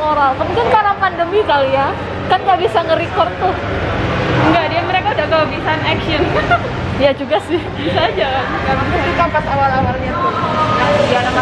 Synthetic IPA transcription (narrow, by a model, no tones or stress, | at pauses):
oɾalkəmuŋkɪnkaɾapandəmikalja | kanŋɡaʔbisaŋəɾikɔrt̪ʊh | ŋɡadiaməɾekaudakaloɡisanɛksiɔn | jad͡ʒuɡasɪhbisad͡ʒakanskaɾakuɡikapasawalawarɲat̪ʊajana